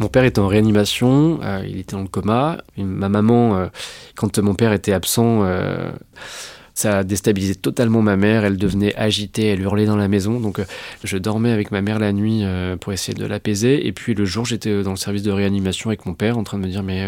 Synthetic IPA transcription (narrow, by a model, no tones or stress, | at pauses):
mɔ̃pɛʁet̪ɛɑ̃ʁeanimasjɔ̃ø̰ḭlet̪ɛd̪ɑ̃ləkɔmamamamɑ̃økɑ̃t̪mɔ̃pɛʁet̪ɛapsɑ̃ø̰ | sad̪est̪abilizɛt̪ɔt̪almɑ̃mamɛʁɛld̪əvnɛʔaʒit̪eɛlyʁlɛd̪ɑ̃lamezɔ̃d̪ɔ̃kʒəd̪ɔʁmɛavɛkmamɛʁlanɥiøpuʁesejḛd̪ə̰lapezeḛpɥiləʒuʁʒet̪ɛd̪ɑ̃ləsɛʁvis̬d̪əʁeanimasjɔ̃avɛkmɔ̃pɛʁɑ̃t̪χɛ̃d̪əməd̪iʁmɛ